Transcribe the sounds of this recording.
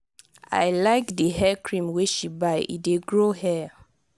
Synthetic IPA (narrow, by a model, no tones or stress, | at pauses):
a̰jlaɪkdəɦɛkʰɹĩmweʃibaɪʔḭdeɡɹohɛ